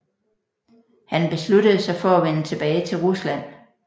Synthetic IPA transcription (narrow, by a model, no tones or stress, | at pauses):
hænb̥e̝sludəð̞̩ˠsɑ̈ɪfɒ̽æʋenət͡sʰe̝b̥ɛːɪt͡sʰe̝lʁuslæn̰